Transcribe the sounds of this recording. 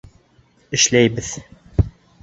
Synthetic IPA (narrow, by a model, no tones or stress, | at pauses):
ɘ̆ʃlæjbɘð